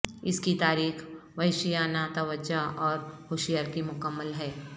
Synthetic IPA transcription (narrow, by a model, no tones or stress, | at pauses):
ɪskit̪aːɾiːxʋɐɪʃijaːnat̪ɐʋəd͡ʒaʔɔːɾhoːʃɪjaːɾkimʊkəmːəlɦɛː